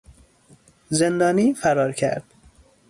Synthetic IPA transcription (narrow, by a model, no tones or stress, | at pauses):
ze̞nd̪ɒːniːfæɾɒːɾcʰæ̰ɾd̪̥